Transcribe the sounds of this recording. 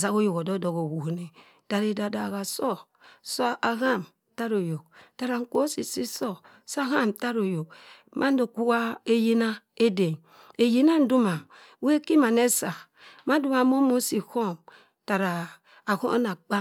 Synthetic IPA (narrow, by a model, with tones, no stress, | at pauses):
za˨˦ɣo˦jo˨ko˨do˦do˨ɡo˨wu˨ne˨ | ta˨ɾe˦da˨da˨ɣa˨so˦ | so˦a˨ɣa˦˨m | ta˦ɾo˨jo˨kta˨ɾa˨ŋ̩˦˨ko˦si˨si˦so˦ | sa˦ɣa˦˨mta˦ɾo˨jo˨kmʔa˦n˦do˨ku˦wa˦e˦ji˦na˦e˦de˨n | e˨ji˦na˦n̩˦du˦ma˨˦ | we˦ki˦ma˨ne˦sa˨ | ma˦du˦ma˨˦mo˦mo˦si˨ho˦m | ta˨ɾaː˨ | ho̰˦na˨k͡pa˦